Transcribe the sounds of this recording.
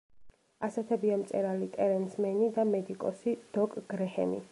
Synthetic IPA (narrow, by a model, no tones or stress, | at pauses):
asɛt̪ʰɛbiamt̪sʼɛ̰ɾalit̪ʼɛɾɛnsmɛnid̪amɛd̪ikʼɔsid̪̥ɔkʼɡ̥ɾɛhɛ̰mḭ